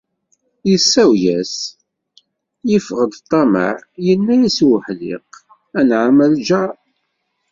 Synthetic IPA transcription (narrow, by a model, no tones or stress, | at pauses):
jəsːæwjæs | jəfʁəd̪t̪ˤːɑmə̰ʕjənːæjæswəħlɪ̰q | ænʕaməld͡ʒæ